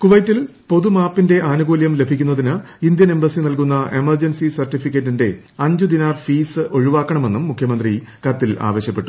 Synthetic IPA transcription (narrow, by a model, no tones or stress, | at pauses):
kuʋɐjtːil | po̞ðumaːpːinde̞ʔaːnuɡuːljɐmle̞bʱikʲːunːɐðinɨind̪jɐne̞mbɐsinɐlkunːɐʔe̞mɐrd͡ʑɐnsisɐrtːifikʲːɐtːinde̞ | ɐɲd͡ʑud̪inaːrfiːsɨo̞ɻiʋaːkːɐɳɐme̞nːumːukʰjɐmɐnd̪ri | kɐt̪ːila̰ːʋɐɕjɐpːe̞ʈːu̥